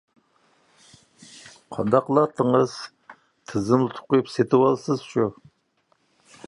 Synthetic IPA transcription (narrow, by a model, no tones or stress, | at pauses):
qʰɑ̰nd̪ɑqlˠɑt̪ʰːəŋəz̥ | t̪ʰɨzɨmlˠɨt̪ʰʊ̥qːʊjupset̪ʰɪwɑlˠsɨz̥ʃu